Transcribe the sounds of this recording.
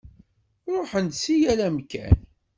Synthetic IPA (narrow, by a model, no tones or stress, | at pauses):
ɾˤoħənd̪sijælæmkæ̰n